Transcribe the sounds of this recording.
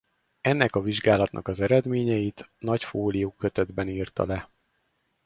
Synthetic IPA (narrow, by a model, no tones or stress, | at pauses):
ɛnːɛkɒviʒɡaːlɒt̪nʔɒ̰kɒzɛɾɛd̪meːɲɛjit̪nɒcfoːlijuːkøt̪ɛd̪bɛniːrt̪ɒ̰lɛ